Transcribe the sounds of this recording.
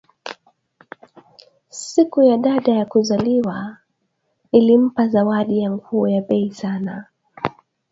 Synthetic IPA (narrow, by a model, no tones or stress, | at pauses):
sikujaɗaɗajakuzaliwa | nilim̩pazawaɗijaŋɡuːjaɓɛisana